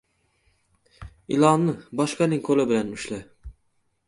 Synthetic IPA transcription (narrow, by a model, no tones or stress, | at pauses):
ɪ̰lˠɑnːɪbɒʃqɑnɪŋkʰolɪbɪlanʊʃla